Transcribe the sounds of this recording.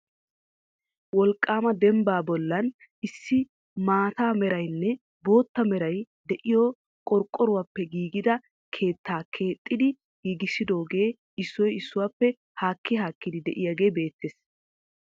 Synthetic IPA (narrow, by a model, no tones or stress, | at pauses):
wɔlkʼːaːmɐd̪ɛmbaːbɔlːɐn | ɪsːɪ | maːt̪aːmɛɾɐjnːɛ | bo̞ːt̪ːɐmɛɾɐj | d̪ɛʔɪjɔː | kʼɔɾkʼːɔɾʊwaːpːɛɡiːɡɪd̪ɐ | kʰe̞ːt̪ʰːaːkʰe̞ːt̪ʼːɪd̪ɪ | ɡiɡɪsɪd̪o̞ːɡe̞ː | ɪsːɔjɪsːʊwaːpːɛ | haːkːɪɦaːkːɪd̪ɪd̪ɛ̰ʔɪjaɡe̞ːbe̞ːt̪ʰːeːs